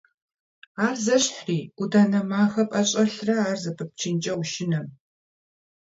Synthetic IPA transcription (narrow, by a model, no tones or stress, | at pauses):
aːrzɐɕħriːudaːnɐmaːxɐpʼɐɕʼɐɬrɐaːrzɐpʰɨp̚t͡ʃʰɪnt͡ʃʼɐwʃɪnɐm